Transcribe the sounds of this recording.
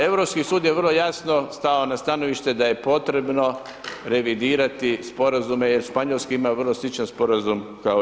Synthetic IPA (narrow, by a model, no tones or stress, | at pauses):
e̞ʋɾo̞pskisuːd̪jeʋərlˠojasno̞st̪aonast̪ano̞ʋiʃt̪e̞d̪aje̞po̞t̪ɾe̞bno̞ | ɾe̞ʋid̪iːɾat̪ispo̞ɾazume̞jeɾʃpaɲolˠskiimaʋərlˠo̞slˠit͡ʃanspo̞ɾazumkao